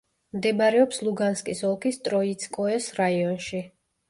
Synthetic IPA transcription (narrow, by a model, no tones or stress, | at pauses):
md̪ɛbaɾɛɔpslˠuɡanskʼisɔlˠkʰist̪ʼɾɔit̪sʰkʼɔɛsɾaiɔnʃi